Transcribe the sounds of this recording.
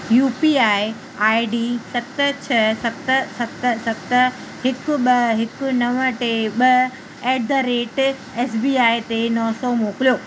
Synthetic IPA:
juːpiaːɪ | aːɪɖiːsɐkt̪ət͡ɕʰɐsɐkt̪əsɐkt̪əsɐkt̪ə | ɦɪkʊɓɐɦɪkʊnɐʋəʈeɓɐ | ɛːd̪əɾeːʈ | ɛːsbiːaːit̪enɔsɔmoːkɪlijoː

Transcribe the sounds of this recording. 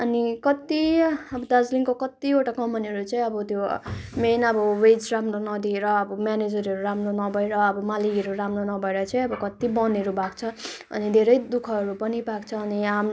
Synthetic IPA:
ʌnikʌt̪iʌbʌd̪ad͡zlinkokʌt̪ioʈakʌmpʌniɦʌɾut͡sʌĩʌbʌt̪jomenʌbʌwed͡zramronʌd̪ʱieɾʌːbʌmaned͡zʌɾɦʌɾuɾamronʌbʱʌeɾʌːbʌmaliɡʌɾuɾamronʌbʱʌeɾʌt͡sʌĩʌbʌkʌt̪ibʌneɾubakt͡sʰʌ | ʌ̰nid̪ʱeɾʌjd̪ukʰʌːɾupʌnibakt͡sʰʌːniam

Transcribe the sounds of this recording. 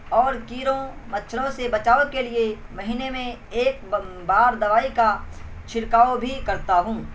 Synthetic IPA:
ɔːɾkiːɾõmɐtːʃʰɾõsebɐt͡ʃaːʋəkelie | mɐɦiːnemẽ | eːk̚ | baːɾd̪ɐʋaːika | t͡ʃʰɪɾkaːobʱikɐɾt̪aɦũː

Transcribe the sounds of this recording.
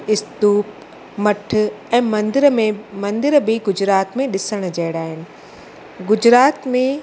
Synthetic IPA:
ɪst̪uːp | mɐʈ̆ʰɛ̃ːmɐ̃nd̪ɪɾəmẽmɐ̃nd̪ɪɾbɪɡʊd͡ʑɾaːt̪mẽɗɪsəɽ̃d͡ʑɐɦɪɽaːɦɪnɪ̆ | ɡʊd͡ʑɾaːt̪mẽ

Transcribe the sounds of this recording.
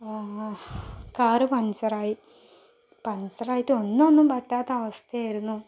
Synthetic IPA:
kaːɾɨpɐnsɐraːji | pɐnsɐraːjitːɨonːonːumbɐtːaːt̪ːɐɐʋɐst̪ʰɐjaːjiɾunːu

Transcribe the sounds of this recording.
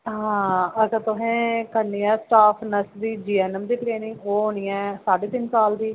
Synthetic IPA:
ɦãːəsət̪ʊɦẽːkəɾniːɛːsʈaːpʰnəsd̪iːd͡ʒiːɛːnəmd̪iːʈɾeːnɪ̃ŋɡoːɦoːniːɛːsaːɖeːt̪ɪnsaːld̪iː

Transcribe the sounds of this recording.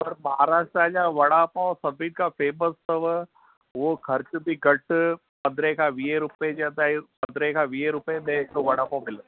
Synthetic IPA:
pɐɾmɐɦaːɾaːʃʈɾaːd͡ʒaʋɐɽaːpãsɐbiːʈkapʰeːməsəʋ | ʋokʰɐɾt͡ʃd̪iɡɐʈ | pɐ̃nd̪ɾekaʋiːeɾʊped͡ʒeəd̪aːipɐ̃nd̪ɾekaʋiːeɾʊpemẽk̪oʋɐɽaːpãmɪl

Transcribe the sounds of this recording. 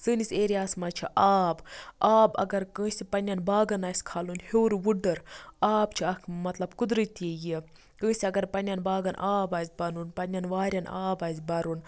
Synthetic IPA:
sɨnisʲeːɾiaːsmat͡ʃʰiʔaːbaːbɐ̰ɡɐɾkə̃ːsʲipɐnʲɐnbaːɡɐnaːsʲkʰalunheːɾʋuɖɐɾaːbt͡ʃʰiɐkʰmɐt̪lɐbkud̪ɾɨt̪eji | kə̃ːsʲiɐɡɐɾpɐnʲɐnbaːɡɐnʔaːbaːzʲbɐnunpɐnʲɐnʋaːɾʲɐna̰ːbaːzʲbɐɾun

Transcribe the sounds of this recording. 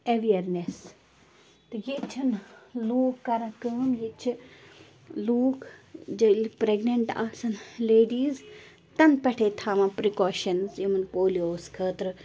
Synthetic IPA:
ɐʋiɐɾnes | t̪ɨjit͡ʃʰɨnluːkːɐɾɐ̃kəːmjit͡ʃʰi | luːkd͡ʒɐlpɾeɡnɐɳʈa̰ːsɐnleːɖiːz | t̪ɐnpɐʈʰeːt̪ʰaːmɐ̃pɾikoːʃɐnzjimɐnpoːlioːskʰəːt̪ɾɨ

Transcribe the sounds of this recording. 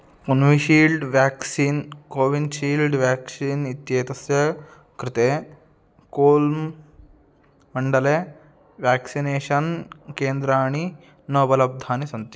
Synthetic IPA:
kunʋiʃiːlɖʋaːksiːnkoːʋinʃiːlɖʋjaːksiːnit̪jeːt̪ɐsjɐ | kɾɪt̪eː | koːlm | mɐɳɖɐleː | ʋjaːksineːʃɐnkeːnd̪ɾaːɳi | noːbɐlɐb̚d̪ʱaːnisɐnt̪i

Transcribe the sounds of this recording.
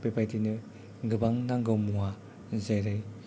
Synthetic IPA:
pepʰajtinɯ | ɡɯbaŋnaŋɡɯwmuŋa | zajɾɯj

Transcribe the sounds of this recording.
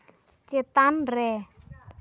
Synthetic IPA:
t͡ʃet̪anrɛ

